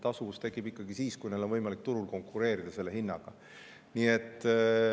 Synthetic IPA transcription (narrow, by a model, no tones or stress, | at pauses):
t̪ɑsuvust̪e̞kːib̥ikːɑɡisiːskujne̞lo̞nvɤjmɑlik̚t̪uɾulko̞ŋkˑːuɾe̞ːɾid̪̥ɑse̞lːe̞ɦinːɑɡ̥ɑ | nie̞t̪ːˑ